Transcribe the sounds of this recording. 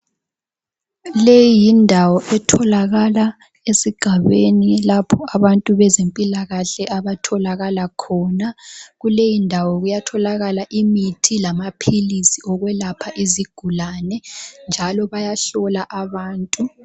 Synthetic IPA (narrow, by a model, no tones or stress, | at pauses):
lejijindʱawɔʔɛtʰɔlaɣala | esiɡ̥ʱaβenilapʰɔaβantʼuβɛzempʼilaɣaɬɛʔaβatʰɔlaɣalakʰɔnaɣulejindʱawɔɣujatʰɔlaɣalaʔimitʰilamapʰilisiɔɣwɛlapʰaʔiziɡ̥ʱulanɛnd͡ʒʱalɔβajaɬɔlaʔaβaːntʼu